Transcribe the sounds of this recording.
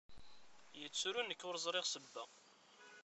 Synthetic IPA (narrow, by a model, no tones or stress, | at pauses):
jət͡sːuɾunːəkːʊɾzˤɾˤeʁsəbːæ